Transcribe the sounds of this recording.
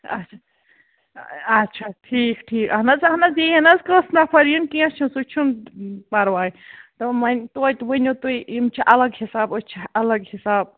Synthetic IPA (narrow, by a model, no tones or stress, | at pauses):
ɐ̰tt͡ʃʰa | ɐtːʃʰaʈʰiːkʈʰiːkɐɦnɐzɐɦnɐzeɐnɐzkɾəsnapʰɐɾijɐnkiɐ̃st͡ʃʰĩsut͡ʃʰunpɐɾʋaːjt̪ɐmɐnʲt̪ot̪ʲʋɐnʲot̪uiimt͡ʃʰiʔɐlɐɡhisaːbot͡ʃʰiɐlɐɡhisaːb̚